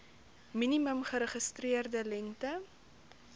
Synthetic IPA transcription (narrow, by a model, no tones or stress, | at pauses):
miniməmχəɾəχəstriərdəlɛŋtə